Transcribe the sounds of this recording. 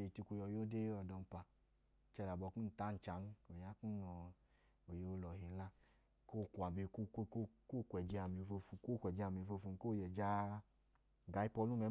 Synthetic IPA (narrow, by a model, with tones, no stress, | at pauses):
e˧i˨ti˧kʷu˧jɔ˧˨jo˦de˦ɔ˨dɔ˧m˦pa˧ | t͡ʃɛ˧ɾa˨bɔ˧ku˦n̩˨ta˦n̩˨t͡ʃa˨˦n˦o˨ɲa˦ku˦ɔ˧ | o˨je˧o˧lɔ˨ɦe˨la˦ | ko˦˨kʷa˨be˧˨ko˦kkko˦˨kʷɛ˨d͡ʒɛ˧a˨mi˨˧˨fo˧fu˧ko˦˨kʷɛ˨d͡ʒɛ˧a˨mi˨˧˨fo˧fu˧n˦ko˦˨jɛ˨d͡ʒa˦ | ɡa˨˦i˦pɔ˧˦lu˦mɛ˨˦